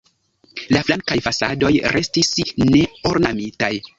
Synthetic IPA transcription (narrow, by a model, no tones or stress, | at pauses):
laflaŋkajfasado̞jɾe̞stisne̞o̞ɾnamitaj